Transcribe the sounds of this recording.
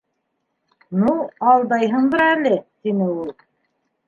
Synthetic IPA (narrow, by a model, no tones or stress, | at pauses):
nuɑlˠd̪ɑjɦɤɴd̪ɤɾælɘt̪inɘulˠ